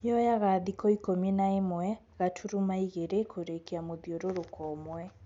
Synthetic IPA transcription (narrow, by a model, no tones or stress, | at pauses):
jɔjaɣaðikɔikomenaemwɛ | ɣatʰuɾumaiɣeɾekʰoɾekeamoðioɾoɾokʰɔmwɛ